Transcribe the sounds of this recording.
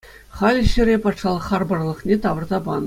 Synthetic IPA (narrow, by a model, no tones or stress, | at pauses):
χɑlʲɘ̆ɕɘ̆rʲepɑt̪ʂɑlˠɤχɑrbɤ̆rlˠɤ̆χnʲet̪ɑʋɤ̆rzɑbɑn